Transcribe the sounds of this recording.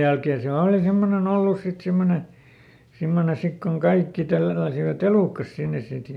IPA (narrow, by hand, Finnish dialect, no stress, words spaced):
jælkeː siæl oˑli semːonen olːus sit simːone simːone sik koŋ kɑikːi tælːæsiʋæt eluˑkːɑs sinːes̆ sit